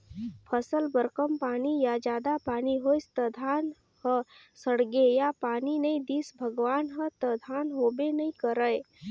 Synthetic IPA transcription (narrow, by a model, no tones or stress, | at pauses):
pʰəsəlbəɾkəmpaːnijad͡ʒaːd̪apaniɦojst̪əd̪ʱan | hə | səɽɡejapaːninəĩd̪iːsbʱəɡʋaːnɦət̪əd̪ʱanɦobenəĩkəɾəj